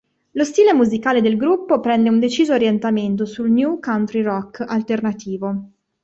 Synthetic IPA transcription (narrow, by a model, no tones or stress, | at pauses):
lost̪iːlemuzikaːled̪elɡɾupːopɾɛnd̪eund̪et͡ʃiːzoːɾjent̪ament̪̬osulnjukawnt̪ɾirɔkːa̰lt̪ernat̪iːvo